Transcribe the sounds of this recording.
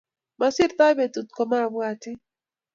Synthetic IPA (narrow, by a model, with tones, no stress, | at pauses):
ma˦sɪ˦ɾt̪a˦jbe˨t̪u˨t̪̚kɔ˨ma˦˨bwa˨tɪ˦